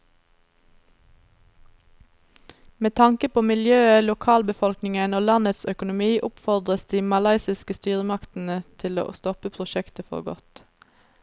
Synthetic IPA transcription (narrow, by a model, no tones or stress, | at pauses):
meːt̪ʰɑŋkəpʰoːmɪljøːəlʊkʰɑːlbəfɔlknɪŋənoːlɑnət̪sœkʊnʊmiːʔʊpfɔʁd̪ʁəsd̪iːmɑlɑɪsɪskəst̪yːʁəmɑkt̪n̩ət̪ʰɪlo̰ːst̪ɔpəpʰʁʊʃɛkt̪əfɔ̰ʁɡɔ̰t̪